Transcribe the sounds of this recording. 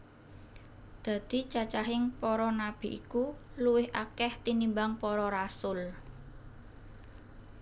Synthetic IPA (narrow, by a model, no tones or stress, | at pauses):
d̪̥a̤d̪̥i̤t͡ʃat͡ʃaɦɪŋpɔɾɔnab̥i̤ʔikuluwɪhʔakɛht̪inimbaŋpɔɾɔɾasʊl